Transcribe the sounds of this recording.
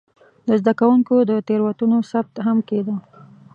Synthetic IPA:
d̪əzd̪akawuŋkod̪ət̪eɾwat̪unosab̚t̪ɦamked̪ə

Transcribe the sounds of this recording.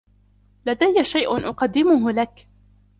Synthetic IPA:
lad̪ajːaʃajʔʊnʔʊqɑd̪ːɪmʊɦlak

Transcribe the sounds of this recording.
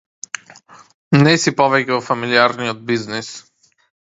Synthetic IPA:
nɛsipɔvɛcɛvofamiliaɾnijod̪̚biznɛs

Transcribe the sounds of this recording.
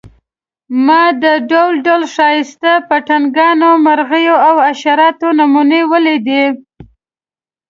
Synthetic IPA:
mɑd̪əɖowlɖolʂɑjɪst̪apaʈanɡɑnomaɾɣəjoawaʃaɾɑt̪onamunewəled̪i

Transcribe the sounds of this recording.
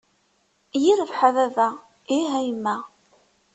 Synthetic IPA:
jiɾəvħaðæðæ | iɦæjmːæ

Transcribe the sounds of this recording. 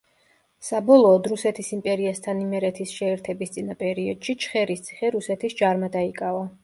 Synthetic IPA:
sabɔlˠɔːd̪ɾusɛt̪ʰisimpʼɛɾiast̪ʰanimɛɾɛt̪ʰisʃɛːɾt̪ʰɛbist̪sʼinapʼɛɾiɔd̪̥ʃit͡ʃʰχɛɾist̪sʰi̥χɛɾusɛt̪ʰisd͡ʒaɾmad̪aikʼava

